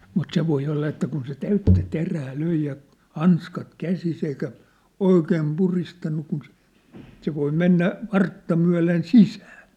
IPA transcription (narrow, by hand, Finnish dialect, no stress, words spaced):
mut se ʋoi olːɑ etːæ kun se tæytːæ teræː løi jɑ hɑnskɑt kæsis eikæ oikeːm puristɑnːu kun se se ʋoi menːæ ʋɑrtːɑ myæ̝len sisæːn̞